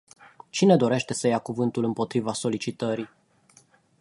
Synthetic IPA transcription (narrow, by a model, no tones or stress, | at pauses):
t͡ʃine̞d̪o̞ɾe̞ʃt̪e̞səjakuvɨnt̪ulɨmpo̞t̪ɾivaso̞lit͡ʃit̪əɾi